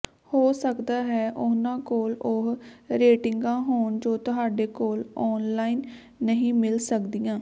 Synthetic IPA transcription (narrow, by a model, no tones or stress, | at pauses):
hoːsəkd̪aːɦɛːʔʊnãːkoːlʊɦɾeːʈɪŋɡãːɦoːɳd͡ʒoːt̪ʊɦaːɖeːkoːlɔːnlaːiːnː | əɦĩːmɪlsəkd̪ijãː